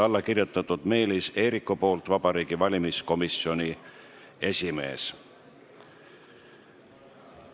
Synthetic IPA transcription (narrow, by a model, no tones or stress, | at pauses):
ɑlːɑkirjut̪ːˑɑt̪ːˑud̪̥me̞ːlise̞ːɾikːupo̞ːlt̪vɑb̥ɑɾiːɡ̥ivɑlʲimisko̞miso̞ni | e̞sʲime̞̰ːs